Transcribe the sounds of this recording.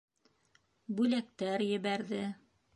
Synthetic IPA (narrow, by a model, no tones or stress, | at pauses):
bʉlæk̚t̪æɾjɘ̆βæɾðɘ